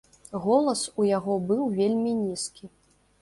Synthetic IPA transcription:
ɣɔlˠɐsujaɣɔbɨwvʲelʲmʲinʲiskʲi

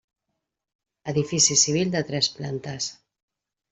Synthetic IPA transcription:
əðifisisiβ̞ild̪ət̪ɾɛsplant̪əs

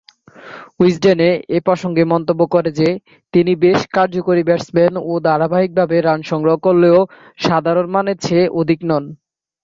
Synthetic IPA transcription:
isɖeneepɾɔʃoŋɡemɔnt̪obːokɔɾed͡ʑe | t̪inibeʃkaɾd͡ʑokoɾibɛɾsbenod̪aɾabʱaɦik̚bʱabeɾanʃɔŋɡɾoɦokolːeo | ʃad̪ʱaɾonmanet͡ɕʰeʔod̪ʱiknɔn

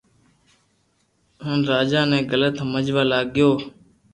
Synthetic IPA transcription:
ɦənɾaːd͡ʒaːnɛ̃ːɡələt̪ɦməd͡ʒʋaːlaːɡɪjoː

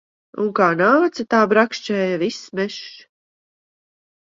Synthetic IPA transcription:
ṵŋkaːnaːt̪sat̪aːbɾakʃt͡ʃɛːjavismɛʃ

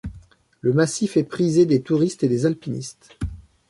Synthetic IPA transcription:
ləmasifɛpχized̪et̪uʁist̪ed̪ezalpinḭst̪

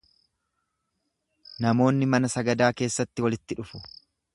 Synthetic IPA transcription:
nɐmo̞ːnːɪmɐnɐsɐɡɐd̪aːke̞ːsːɐt̪ːɪwɐlɪt̪ːɪᶑʊfʊ̥

